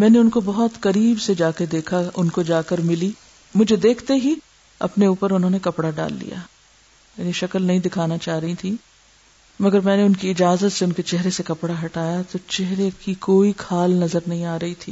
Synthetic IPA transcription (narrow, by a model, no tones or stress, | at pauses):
mɛ̃ːneʊnkobɐɦɔt̪kɐɾiːbsed͡ʒaːked̪eːkʰaʊnkod͡ʒaːkəɾmɪli | mʊd͡ʒʱed̪eːkʰt̪eɦi | ɐ̰pneuːpəɾʊnɦõːnekɐpɽaɖa̰ːlːḭja̰ː | jɛniʃɐkəlnɐɦĩd̪ɪkʰaːnat͡ʃaːɦɾɐɦĩt̪ʰiː | mɐɡəɾmɛ̃ːneʊnkiɪd͡ʒaːzət̪seʊnket͡ʃɛɦɾesekɐpɽaɦɐʈaːjat̪ot͡ʃɛɦɾekikoːikʰaːlnɐzəɾnɐɦĩaːɾɐɦit̪ʰḭː